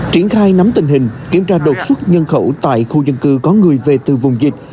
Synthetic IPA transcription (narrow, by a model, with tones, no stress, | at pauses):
t͡ɕi˧˩ənxaː˧jna˨˦mt̪ï˨˩ŋ̟ɦï˨˩ŋ̟ki˧˩əmt͡ɕaː˧ɗo˨˩t̚swə˦˥t̚ɲə˧nxə˧˩wt̪a̰ː˧˨jxu˧zə˧nkɨ˧kɔ˨˦ŋɨ˨˩əjve˨˩t̪ɨ˨˩vʊ˨˩wŋ͡mzï̟˨˩